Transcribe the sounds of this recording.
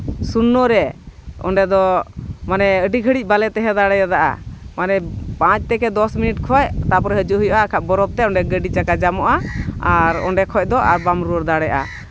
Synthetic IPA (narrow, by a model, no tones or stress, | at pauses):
sunːɔɾɛɔ̰ɳɖɛd̪ɔmanɛəɖiɡʱəɽic̚ˀbalɛt̪ɛɦɛd̪aɽɛjad̪aʔa̰manɛpãt͡ʃ̚t̪ɛkɛd̪ɔsminiʈkʰɔjt̪apɔɾɛɦəd͡ʒuʔɦujɔʔaːkʰaʔ̚bɔɾɔb̚t̪ɛɔɳɖɛɡəɖit͡ʃakad͡ʒamɔʔaaɾɔ̰ɳɖɛkʰɔc̚d̪ɔʔa̰ɾbamɾuəɾd̪aɽɛʔa̰